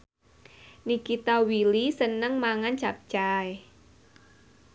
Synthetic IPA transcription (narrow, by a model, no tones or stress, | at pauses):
nikit̪awilisənəŋmaŋant͡ʃap̚t͡ʃaj